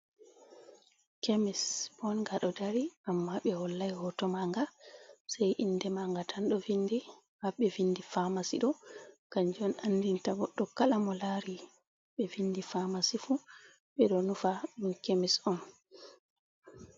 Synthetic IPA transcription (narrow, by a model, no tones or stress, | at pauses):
kemisbɔnɡaɗɔdaɾiamːaɓɛhɔlːajhɔtɔmaŋɡasajʔindɛmaŋɡatʰanɗɔvindi | maɓɛvindifamasḭɗɔkaɲd͡ʒɔnandintaɡɔɗːɔkalamɔlaɾi | ɓɛvindifamasifu | ɓɛɗɔnufaminkemisɔn